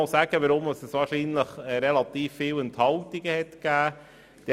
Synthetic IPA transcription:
ɑlsæːɡəʋəɾʊmɑsəsʋɑːɾʃiːnləχɾɛlɑt̪iːfːiːwənt̪hɑltɪɡəhɛtkæː | d̥ɛ

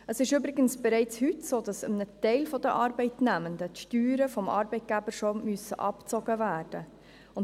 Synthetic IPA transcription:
əsɪʃybɾɪɡənsb̥ɛɾɛɪt͡shytsoːd̥ɑsəmnətɛɪlfɔd̥əʔɑːɾbɛɪtnæməndətʃtyːɾəfɔmʔɑ̰ːɾbɛɪt̚ɡ̥æbəʃomysəʔɑ̰pt͡soɡ̥əvæːrd̥ə | ʊn

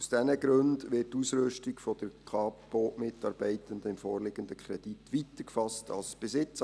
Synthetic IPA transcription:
usd̥ɛnəɡɾɵndʋɪːtːusɾɵʃtɪɡ̥fɔd̥əɾkʰɑ̥ː | oːʔmɪtɑːɾb̥ɛɪt̪əndəɪmfoːrlɪɡəndəkʰɾɛd̥itʋit̪əkfɑstɑ̰lsb̥esɪt͡s

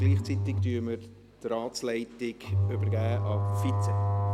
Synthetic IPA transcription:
ɡ̥liːχt͡sit̪ɪktyːməɾ | t̪rɑːtt͡slɛɪtɪɡøbəɾɡæːʔɑfit͡sɛ

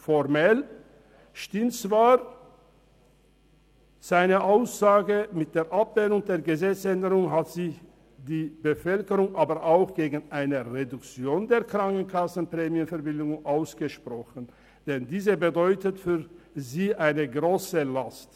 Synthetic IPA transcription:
fɔʁmɛl | ʃtɪmtt͡sv̥aː | z̥aɪnəʔaʊsz̥aːɡəmɪt̚d̥eːɐʔapv̥ɛːnʊŋdeːɐɡəzɛt͡sʔɛndəʁʊŋɦatz̥iː | diːbəfœlkəʁʊŋʔaːbəʔaʊxɡ̥eːɡn̩ʔaɪnəʁedʊkt͡sjoːndeːɐkʁ̥aŋkn̩kʰasn̩pʁ̥ɛːmjənfɛɐbɪldʊŋʊŋʔaʊsɡ̥əʃpʁ̥ɔxən̩ | d̥ɛndiːzəbədɔʏtətfyːɐziːʔaɪnəɡʁoːsəlast

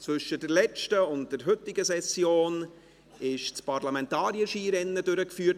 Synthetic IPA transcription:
t͡sʋɵʃədɛɾlɛt͡ʃtəʊnt̚d̥ɛɾɦʏtːɪɡəsɛsjoːn | ɪʃt͡spaɾlamɛntɑːɾiəʃiːɾɛnːədøɾəkfyːt

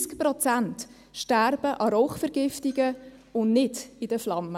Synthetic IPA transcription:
skpɾɔt͡sænt | ʃtærb̥əʔɑɾɔχfɛɾɡ̥ɪftiɡəʊnnɪdɪd̥əflɑmːə

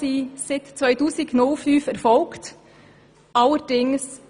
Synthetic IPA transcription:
iːsɪt̪t͡sʋœʏtuːsɪɡnʊlfyːfɛɾfɔlkt | ʔɑləɾd̥ɪŋs

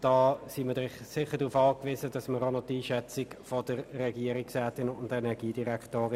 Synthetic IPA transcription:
d̥ɑːsiːmədʁɪχsɪχəd̥ʁufɑːkviːzədɑsməɾonotiːʃɛt͡sɪkfɔd̥əʁːɛɡiəɾiksɛːtɪnʊntɛnɛʁɡiːdiʁɛktoːʁɪ

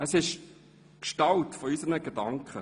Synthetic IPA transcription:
əsɪʃ | kʃtɑltfɔysənəɡedɑŋkχə

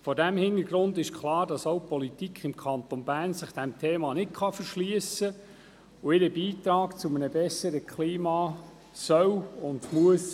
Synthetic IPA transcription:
fɔɾdæmhɪndəɾɡ̥ɾʊndɪʃkʰlɑːɾd̥ɑsowpɔlitikχɪmkʰɑnt̪onbæːɾnsɪχd̥ɛmtʰeːmɑnɪt̚kʰχɑfəɾʃliəsə | ʊɪɾəbiːtɾɑːɡt͡sumənəbɛsːəɾəkʰliːmɑː | sœwʊndmuəs

